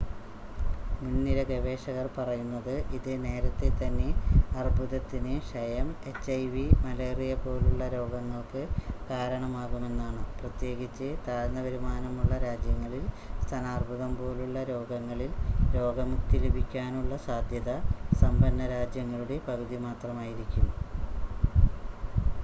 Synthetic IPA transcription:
munːiɾɐɡɐʋe̞ːʂɐɣɐrpɐrɐjunːɐðɨʔiðɨne̞ːɾɐt̪ːe̞t̪ːɐnːe̞ɐrbʱuðɐt̪ːinɨʂɐjɐme̞t͡ɕːɐjʋimɐleːrijɐpo̞ːluɭːɐɾo̞ːɡɐŋːɐɭkɨkaːɾɐɳɐmaːɣume̞nːaːɳɨprɐt̪je̞ːɣit͡ɕːɨt̪aːɾnɐʋɐɾumaːnɐmuɭːɐɾaːd͡ʑjɐŋːɐɭil | st̪ʰɐnaːrbʱuðɐmbo̞ːluɭːɐɾo̞ːɡɐŋːɐɭilɾo̞ːɡɐmukt̪ilubʱikʲːaːnuɭːɐsaːd̪ʱjɐðɐsɐmbɐnːɐɾaːd͡ʑjɐŋːɐɭuɽe̞pɐɣuðimaːt̪rɐmaːjiɾikʲːumː

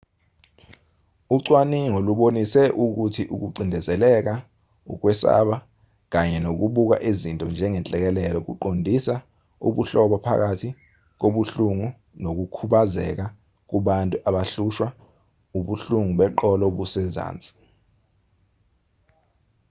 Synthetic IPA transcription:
uǀwaniŋoluɓonisɛʔuk̬utʰiʔuk̬uǀindʱɛzɛlɛk̬a | ṵk̬wɛsa̰ɓa | k̬aɲɛnok̬uɓuk̬a̰ʔizintʼɔnd͡ʒʱɛŋɛnt͡ɬʼɛk̬ɛlɛlɔk̬ṵǃondʱisa | ṵɓuɬɔɓɔpʰa̰k̬atʰi | k̬oɓuɬuŋu | nok̬ukʰuɓazɛ̰k̬a | k̬uɓantʼuʔaɓaɬuʃwa | uɓuɬuŋuɓɛǃɔlɔɓusɛza̰ːnt͡sʼi̥

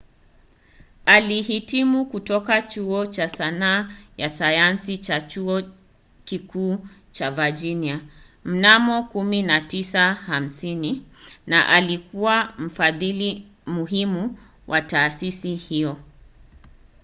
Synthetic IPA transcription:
alihitimukutɔkat͡ʃuɔt͡ʃasanaːjasajansit͡ʃat͡ʃuɔ | kikuːt͡ʃavad͡ʒinia | m̩namɔkuminatisaham̩sinina̰ʔalikuwam̩faðili | muɦimu | wʔataːsisihiɔ

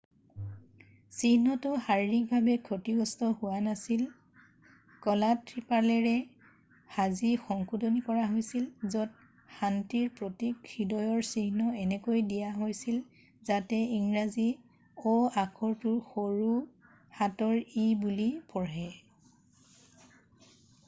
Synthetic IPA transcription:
sihnɔtʊhaɹinik̚bʱabɛkʰotiɡɔstɔhʊwanasil | kɔlatɹipalɛɹɛ | hazixɔŋkʰudonikɔɹaɦojsilzɔt̚ | xantiɹpɹotikxidɔjɔɹsihnɔɛnɛkojdijaɦojsil | zatɛiŋɹazi | ɔakʰɔɹtʊɹxoɹu | hatɔɹibulipɔɹɦɛ

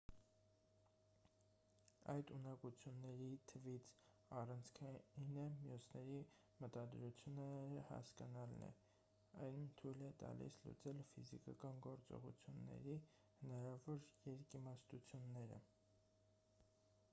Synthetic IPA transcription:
ɑjt̪unɑkut͡sʰjunːɛɾit̪ʰəvit͡sʰ | ɑrɑnt͡sʰkʰɑinəmjusnɛɾi | mət̪ɑd̪ɾut͡sʰjunɛɾəhɑ̰skɑnɑlnɛ̰ | ɑjnt̪ʰujlɛt̪ɑ̰lḭslṵt͡sɛlfizikɑkɑnɡɔɾt͡sɔ̰ʁṵt͡sʰjunːɛ̰ɾi | hənɑɾɑvɔɾjɛɾkimɑst̪ut͡sʰjunːɛɾə̰

